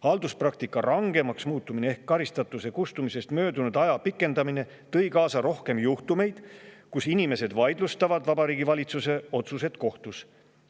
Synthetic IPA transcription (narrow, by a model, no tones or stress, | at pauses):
hɑld̪̥usprɑkt̪ikːˑɑrʔɑŋɡe̞mɑksmuːt̪ːˑumineehkːɑɾist̪ɑt̪ːˑuse̞kust̪umise̞st̪mø̞ːd̪unud̪̥ɑjɑpikːˑe̞nd̪ɑmine̞ | t̪ɤ̞jkɑːsɑɾo̞hke̞mjuht̪ume̞jd̪̥kusinime̞se̞d̪vɑjd̪lust̪ɑvɑd̪̥vɑbɑɾiːɡivɑlʲit̪suse̞o̞t̪suse̞t̪ko̞ht̪us